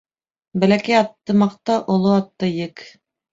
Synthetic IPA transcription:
bælækæjɑt̪ːɤmɑqt̪ɑʔŏlˠoɑt̪ːɤjɘk

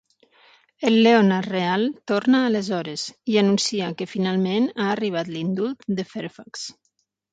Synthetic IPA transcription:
əlːeonarrealˠt̪oɾnaːləzɔɾəziənunsiakəfinalˠmenaːriβ̞at̪lind̪ulˠt̪̚d̪əfɛɾfaks

